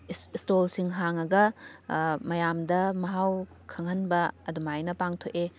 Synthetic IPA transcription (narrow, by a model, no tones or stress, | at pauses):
stolsiŋɦaŋɐɡɐ | mɐjamdɐmɐɦaw | kʰɐŋhɐnbɐɐdumajnɐpaŋtʰoke